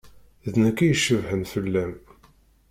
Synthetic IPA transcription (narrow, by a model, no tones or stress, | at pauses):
ðnækːijəʃːəvhəmθəlːæm